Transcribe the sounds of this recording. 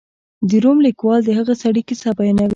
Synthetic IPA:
d̪iɾomlɪkwɑld̪əɦəɣasaɽikesabɑjnawi

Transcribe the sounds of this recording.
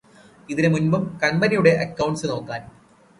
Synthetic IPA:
iðinemunbɐmkɐnbɐnijuɽe̞ʔɐkːɐwɳʈsɨno̞ːkːaːn

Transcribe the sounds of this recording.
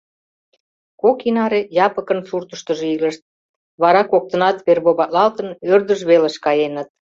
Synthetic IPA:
kokinɑɾejɑpəkənsurt̪əʃt̪ə̆ʒeilə̆ʃt̪̚ | βɑɾɑkok̚t̪ə̆nɑt̪βerβoβɑlɑlt̪ənørd̪əʒβeleʃkɑjenət̪̚

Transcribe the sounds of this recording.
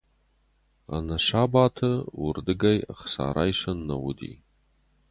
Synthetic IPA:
a̰naʃabatʰɐwʊrdɨɡaja̰χsa̰ːɾajʂɐnːɐwudḭ

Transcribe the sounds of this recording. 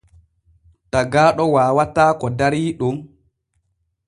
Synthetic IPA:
taɡaːɗɔwaːwataːkɔdaɾiːɗum

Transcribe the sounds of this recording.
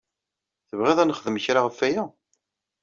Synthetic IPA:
θəvʁeðˤænχəðəməçɾaʁəfːæjæ

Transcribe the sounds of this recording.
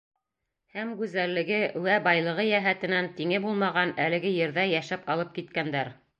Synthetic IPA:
hæmɡʉzælːɘ̆ɡɘwæbɑjlˠɤ̆ʁɤjæɦæt̪ɘ̆nænt̪iŋɘbulˠmɑʁɑnælɘ̆ɡɘjɘ̆ɾðæjæʃæpɑlˠɤp̚kit̪̚kænd̪æɾ

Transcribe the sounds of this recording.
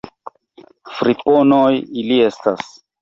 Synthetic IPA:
fɾipo̞nojilie̞stas

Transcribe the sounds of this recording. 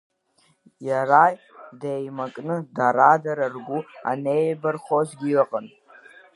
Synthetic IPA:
jaraj | dejmakʼnɨdaɾadaɾarɡʷua̰nejlbarχozɡʲilaqʼən

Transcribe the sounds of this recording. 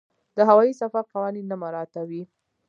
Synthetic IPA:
d̪̥əɦawɑisafaɾqawɑninːamaɾɑt̪awi

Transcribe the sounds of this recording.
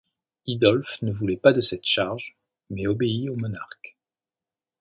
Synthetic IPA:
id̪ɔlfnəvulɛpad̪əsɛt̪ʃaʁʒ | mɛɔbeiomɔnaʁk

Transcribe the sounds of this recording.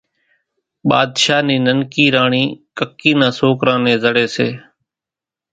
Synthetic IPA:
ɓaːd̪ʃaːnĩːnənkiːɾaːɳĩːkəkːiːnãːsoːkɾãːnẽːzəɽeːseː

